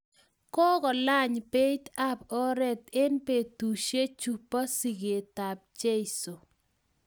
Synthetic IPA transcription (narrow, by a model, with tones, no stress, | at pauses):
kɔ˦ɡɔ˨la˦ɲpe˦ta˦pɔ˦ɾɛ˦t̪e˦npe˨tu˨ʃe˦t͡ʃu˦˨pːa˦si˨ɡe˨ta˨p̚d͡ʒe˦ɪ˨so˨